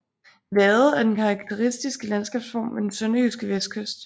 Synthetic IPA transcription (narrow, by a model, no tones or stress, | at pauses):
ʋɛːð̩ˠæɐd̥enkʰɑ̈ɑ̈ɡ̥̚t͡sʰe̝ʁisd̥isɡ̥əlænsɡ̥ɛ̰ːb̥sfɒ̰ːmʋed̥ensœnɐysɡ̥əʋesd̥̚kʰøsd̥